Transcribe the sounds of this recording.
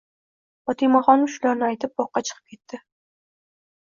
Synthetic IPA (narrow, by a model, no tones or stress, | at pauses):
fɒt̪ʰimaχɒnʊʃʊlaɾnɪajt̪ʰɪp̚bɒqːɑt͡ʃʰɨ̥qʰɨp̚kʲʰe̞t̪ːɪ